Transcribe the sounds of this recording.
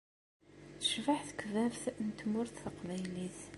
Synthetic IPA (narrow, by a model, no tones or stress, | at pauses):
θə̥ʃvəħθə̥kːvævθnt̪mʊɾθθəqvæjliθ